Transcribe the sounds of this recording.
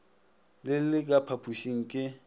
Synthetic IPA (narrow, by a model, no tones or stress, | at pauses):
lɪlɪkʼapʰapʰuʃiŋ̩kʼɪ